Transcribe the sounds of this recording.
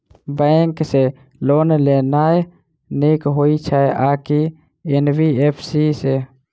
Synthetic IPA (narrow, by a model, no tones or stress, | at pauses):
bə̃ŋkse | loːnleːnaːe | neːkɦoːit͡ʃʰaeʔaːki | enbiːeːpʰsiseː